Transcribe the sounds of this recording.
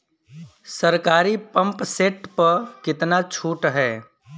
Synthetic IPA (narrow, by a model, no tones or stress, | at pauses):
səɾkaːɾipə̃mpseːʈpɐɾkɪt̪nat͡ʃʰuːʈɦɛː